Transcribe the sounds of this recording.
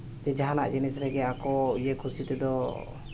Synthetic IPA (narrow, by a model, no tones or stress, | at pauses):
d͡ʒɛd͡ʒaɦana̰ʔd͡ʒinisɾɛɡɛakɔijekʰusit̪ɛd̪ɔ